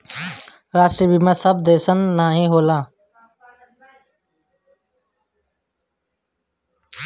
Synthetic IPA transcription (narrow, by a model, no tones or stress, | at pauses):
ɾaːsʈɾiːbiːmẽːsəb̚d̪eːsənːaːɦĩːɦoːlãː